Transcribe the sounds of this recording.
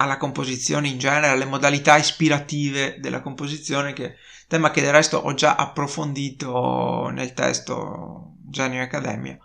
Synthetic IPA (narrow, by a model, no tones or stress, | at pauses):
alːakompozit̪sːjoːneind͡ʒɛːneɾealemod̪alit̪aispiɾat̪iːved̪ḛlʔa̰kompozit̪sːjoːnek̟e | t̪ɛːmaked̪erːɛst̪o̰ʔɔd͡ʒa̰ʔapːɾofond̪iːt̪onḛlt̪ɛ̰st̪o̰ | d͡ʒɛːneakːad̪ɛ̰ːmj̰a̰